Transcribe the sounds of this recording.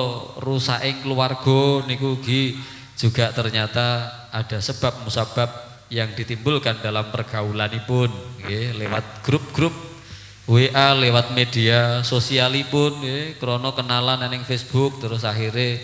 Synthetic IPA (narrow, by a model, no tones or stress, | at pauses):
rusa̰ʔɪŋkluwarɡ̥ɔnikuɡi | d͡ʒ̥uɡ̥aʔt̪ərɲat̪a | ad̥a̤səb̥a̤p̚musab̥ap̚ | jaŋd̥it̪imbʊlkandalampərɡ̥aulanipʊnɡelewa̰t̪̚ɡ̥ɾup̚ɡ̥ɾʊp̚ | weʔalewat̪̚med̥iasosialipʊnɡekəɾonɔkənalanenɪŋfesb̥ʊk̚t̪əɾʊsaɦiɾe